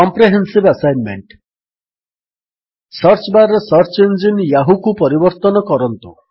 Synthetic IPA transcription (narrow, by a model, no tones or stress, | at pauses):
ɔmpɾeɦensibasajnmḛɳʈ | sɔɾt͡ʃbaɾɔsɔɾt͡ʃend͡ʒinjaɦukupɔɾibɔɾt̪ɔnɔkɔɾɔnt̪u